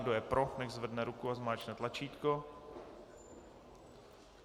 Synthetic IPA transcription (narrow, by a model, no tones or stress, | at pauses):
ɡdojɛpɾonɛxzvrdnɛɾukuazmaːt͡ʃnɛt̪lat͡ʃiːt̪ko